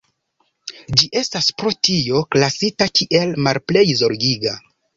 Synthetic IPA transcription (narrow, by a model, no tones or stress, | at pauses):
d͡ʒiʔe̞staspɾo̞tio̞klasitakʰʲiʔe̞lmalple̞jzo̞ɾɡiɡa